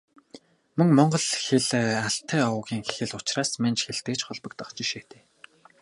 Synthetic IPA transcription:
mɵŋmɔɴɢɞ̆ɮxeɮaɬt̪ʰːæːʊɣʲiːŋxe̥xɘ̆ɮʊt͡ɕraːsmant͡ɕxeɮt̪eːt͡ɕχɔɮpə̆k̚t̪ɔχt͡ɕĭʃeːt̪ʰeː

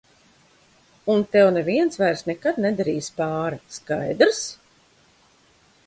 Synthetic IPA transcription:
unt̪ɛwnɛviɛnsvajɾsnɛkad̪nɛd̪aɾiːspaːɾaskajd̪ɾs

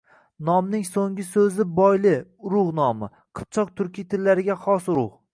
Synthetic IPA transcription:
nɒmnɪŋsoŋɪsɵzɪbɒjlɪʊɾʊʁnɒmɪ | qʰɨ̥p̚t͡ʃʰɒq̚t̪ʰʊɾkʲʰijt̪ʰɪlːaɾɪɡʲaχɒsʊɾʊʁ

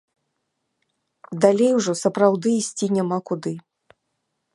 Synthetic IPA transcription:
d̪alʲejwʐɔsɐpɾawd̪ɨisʲt͡sʲinʲamakud̪ɨ

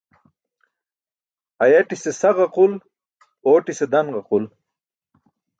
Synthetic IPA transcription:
ɐjɐʈisesɐʁɐqul | oːʈised̪ɐnʁɐqul

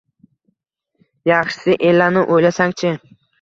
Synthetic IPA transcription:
jɑχʃsɪʔe̞lːanɪʔojlasaŋt͡ʃʰɪ

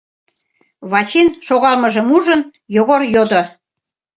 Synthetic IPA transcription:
βɑt͡ɕinʃoɣɑlməʒə̆muʒənjoɣorjod̪o

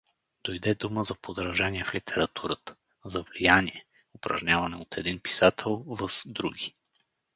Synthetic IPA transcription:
d̪̥ojd̪ɛd̪uməzɐpod̪ɾɐʒaniɛflit̪ʰɛɾɐt̪ʰuɾət̪ə̥ | zɐvlijaniɛ | ʊpɾɐ̰ʒnʲavɐnɛot̪ʰɛd̪inpi̥sat̪ʰɛlˠvəsd̪ɾuɡʲi

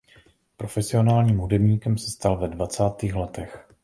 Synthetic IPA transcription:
pɾo̞fɛsɪo̞naːlɲiːmɦudɛbɲiːkɛmsɛst̪alvɛdvat͡saːt̪iːxlɛt̪ɛx

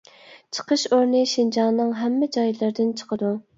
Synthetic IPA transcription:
t͡ʃʰə̥qəʃoɾnɨʃind͡ʒɑŋnɨŋɦɛmːɪd͡ʒɑjlˠɨɾd̪ɪnt͡ʃʰə̥qəd̪u

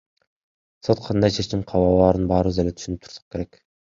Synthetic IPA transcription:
so̞t̪̚qʰɑnd̪ɑjt͡ʃʰe̞t͡ʃimqʰɑwɑlˠɑːɾɯnbɑːɾɯβɯze̞let̪ʰy̥ʃynyp̚t̪ʰu̥ɾsɑ̥q̚ke̞ɾek

